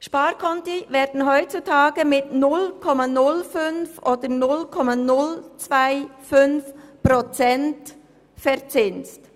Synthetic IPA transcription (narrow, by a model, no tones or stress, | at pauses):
ʃpɑːɾkʰɔntivɛːɾd̥n̩ɦœʏt͡sutʰɑːɡ̥əmɪtnʊlkʰɔmanʊlfʏnfoːdənʊlkʰɔmanʊlt͡svaɪfʏnfpɾot͡sɛnt | fɛɾt͡sɪnt͡st